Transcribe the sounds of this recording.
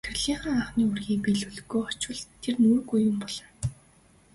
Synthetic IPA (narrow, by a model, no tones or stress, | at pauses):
t̪ʰɵ̆rɮiːχə̆ːŋaχniːurɣiːpiɮɵɮɵ̆ɣuːɔt͡ɕwə̆ɮt̪ʰːernuːrɣujːʊmpɔɮ̥ɞ̆n